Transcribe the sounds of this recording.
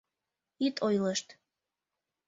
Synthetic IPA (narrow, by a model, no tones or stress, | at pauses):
it̪ʰojləʃt̪